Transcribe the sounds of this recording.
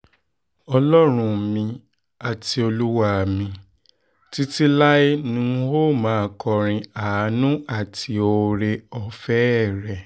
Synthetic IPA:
ɔ˧lɔ˦ɾ̃ũ˧˨˦mĩ˧ | a˨ti˧o˧lu˦wa˦˨mĩ˧ | ti˦ti˦la˦e˦nũ˧˦ho˦˨mãː˨˦˧kʰɔ˧ɾ̃ĩ˧a˨˦nũ˦a˦˨tʰi˨˧˦o˧ɾe˧ɔ˧fɛ˦˨ɾɛ˨

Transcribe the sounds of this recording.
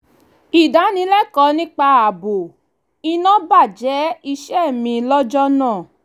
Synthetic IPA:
i˨da˨˦nĩ˧˦lɛ˦kɔ˨˦nĩ˦k͡pa˧a˨bo˨ | i˧nã˦ba˦˨d͡ʒɛ˨˦i˧ʃɛ˦˨mĩ˧lɔ˦d͡ʒɔ˦nãː˦˨

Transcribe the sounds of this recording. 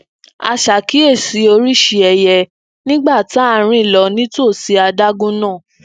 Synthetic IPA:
a̰˧ʃa˨ki˨˦e˦˨si˨˦o˧ɾi˦˨ʃi˧ɛ˨jɛ˧ | nĩ˦ɡ͡ba˦˨ta˦˧ɾ̃ĩ˦˨lɔ˧˦nĩ˦to˦˨si˨˧˦a˧da˦ɡũ˦nãː˦˨

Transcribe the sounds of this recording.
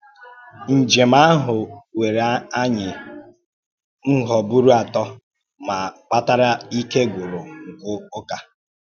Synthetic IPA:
n̩˨d͡ʒe˨ma˦ɦʊ˨we˨ɾe˨˦a˦ɲɪ˨ | n̩˦ɦɔ˨bu˦ɾu˦a˨tɔ˦ | ma˨k͡pa˦ta˦ɾa˦i˦ke˦ɡʊ˨ɾʊ˨ŋ̩˨kʊ˦ʊ˦ka˦

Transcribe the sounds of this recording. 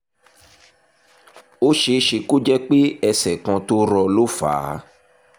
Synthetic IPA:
o˦ʃe˧ʃe˧ko˦d͡ʒɛ˦k͡pe˦ɛ˧sɛ˨kã˧to˦ɾɔ˧lo˦fa̰ː˨˦

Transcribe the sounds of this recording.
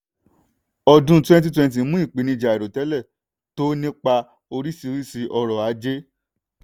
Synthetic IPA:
ɔ˧dũ˨˦twɛ̃˦t̬i˦twɛ̃˧nt̬i˨˦mũ˦i˦˨k͡pi˨nĩ˧d͡ʒa˨i˨ɾo˨tɛ˨˦lɛ˦˨ | to˦nĩ˦k͡pa˧ | o˧ɾi˦si˧ɾi˦si˧ʔɔ˧ɾɔ˨a˨˦d͡ʒe˦

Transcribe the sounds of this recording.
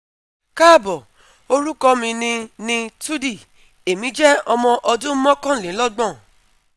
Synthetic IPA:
ka˦˨bɔ˨ | o˧ɾu˦kɔ˧mĩ˧nĩ˧nĩ˧tu˦di˦˨ | e˨mĩ˨˦d͡ʒɛ˦ɔ˧mɔ̃˧ʔɔ˧dũ˦mɔ̃˦kã˦˨lẽ˨˦lɔ˦ɡ͡bɔ̃˦˨

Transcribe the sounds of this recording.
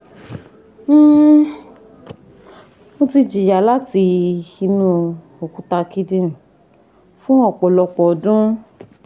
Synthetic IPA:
õ˧ti˧d͡ʒi˨ja˨˦la˦ti˧i˧nũ˧ | o˨ku˨˦ta˧ki˧dĩ˧˦˨ | fũ˦ɔ˦˨k͡pɔ˨lɔ˧k͡pɔ˨˦dũ˦

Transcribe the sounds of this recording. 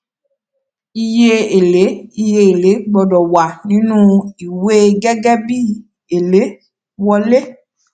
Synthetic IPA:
i˧je˦e˨le˨˦i˧je˧e˨le˨˦ɡ͡bɔ˨dɔ˨wa˨nĩ˨˦nũ˦i˨we˦ɡɛ˦ɡɛ˦bi˦˨ | e˨le˨˦ | wɔ˧le˦

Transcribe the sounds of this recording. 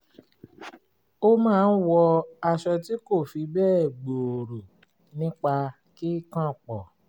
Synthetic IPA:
o˦mãː˦˧n̩˦wɔ˧a˧ʃɔ˧ti˦ko˦˨fi˧bɛː˦˨ɡ͡bo˨o˨ɾo˨ | nĩ˦k͡pa˧ | ki˦kã˦˨k͡pɔ˨

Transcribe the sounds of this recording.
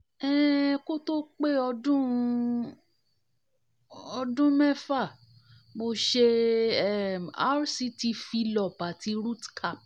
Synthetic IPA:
ɛ˦˨ko˦to˦k͡pe˦ɔ˧dũ˦˧ | ɔ˧dũ˦mɛ˦fa˦˨ | mo˧ʃe˧˦˨ | a̰˦ɾsi˦ti˧fi˧˦lɔ˨pa˨ti˨˧˦ɾu˦tkʰa˦˨p̚

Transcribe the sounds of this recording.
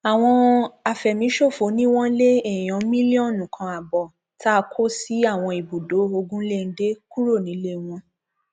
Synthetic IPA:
a˨w̃ɔ̃˧a˨fɛ˨mĩ˨˦ʃo˦˨fo˨˦nĩ˦w̃ɔ̃˦le˦e˦˨j̃ɔ̃˨˦mĩ˦li˦ɔ̃˦˨nũ˨kʰã˨˧a˨bɔ˨ | ta˦˧kʰo˦si˦a˦˨w̃ɔ̃˧i˨bu˨do˨˦o˧ɡũ˦le˦˨n̩˦de˦ku˦ɾo˦˨nĩ˨˦le˦w̃ɔ̃˧

